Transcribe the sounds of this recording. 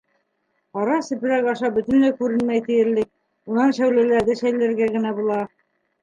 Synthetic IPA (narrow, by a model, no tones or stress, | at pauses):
qɑɾɑsɘ̆pɘ̆ɾækɑʃɑbɵ̆t̪ɘ̆nlækʉɾɘ̆nmæjt̪ɘ̆jɘ̆ɾlɘk̚ | unɑnʃæwlælæɾðɘʃæjlæɾɡæɡɘ̆næbulˠɑ